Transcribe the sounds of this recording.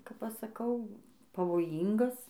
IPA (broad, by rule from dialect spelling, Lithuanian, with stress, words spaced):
kɐp ˈɐʃ sɐˈkɐʊ pɐʋoːˈjiːŋɡɐs